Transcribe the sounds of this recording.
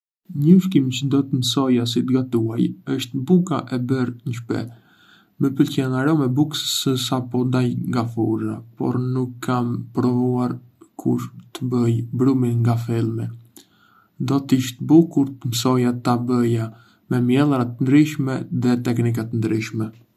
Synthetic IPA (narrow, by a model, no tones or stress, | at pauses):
ɲəʃkimcəd̪ɔt̪əməsɔjas̬it̪ɡat̪uajəʃt̪bukaʔɛbəɾɲəʃpɛ̰ | məpəlcɛnaɾɔmɛbuksə̥səsapɔd̪ajŋɡafuɾa̰pɔ̰ɾnukʰːampɾɔvuaɾ | kʰuɾt̪əbəjbɾuminŋɡafɛlˠmi | d̪ɔt̪iʃt̪bukuɾt̪əmsɔjat̪abəja | mɛmjɛlˠɾat̪ənd̪ɾiʃmɛðɛt̪ɛknik̬at̪ənd̪ɾiʃmɛ